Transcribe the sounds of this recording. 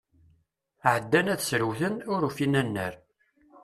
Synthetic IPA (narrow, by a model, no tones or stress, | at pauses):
ʕəd̪ːænæθsɾəwθənʊɾufinænːə̰ɾ